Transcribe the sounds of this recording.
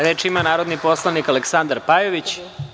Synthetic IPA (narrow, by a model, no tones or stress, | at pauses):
ɾe̞ːt͡ʃimanaːɾo̞d̪nipo̞slˠanikaleksand̪aɾpajoʋit͡ɕ